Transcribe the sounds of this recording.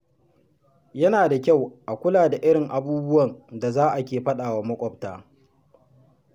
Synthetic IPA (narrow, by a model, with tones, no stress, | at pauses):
jɐ˦naː˨da˨kʲa˦˨wʔa˨kʷʊ˦laː˨da˨ʔɪ˦ɽɪ˨ŋʔa˨buː˦bʊ˦wɐ˨nda˨zaː˦ʔa˨kʲeː˨ɸɐ˦ɗaː˨waː˨mɐ˦kʷʼɔ˦p̚taː˦